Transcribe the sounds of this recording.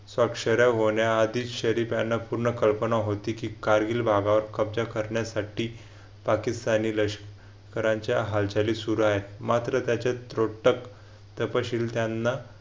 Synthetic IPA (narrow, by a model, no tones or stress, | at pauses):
sʋakʂəɾjaɦoɳjaːd̪iːɕəɾipjanːapuɾɳəkəlpənaɦot̪iːkiːkaɾɡiːlbʱaɡãʋəɾkəbd͡zakəɾɳjasaʈiː | pakist̪aniləɕ | kəɾaɲt͡ɕjaɦalt͡ɕaliːsuɾuaɦet̪̚mat̪ɾət̪jat͡ɕat̪ɾoʈək | t̪əpəɕiːlt̪janːa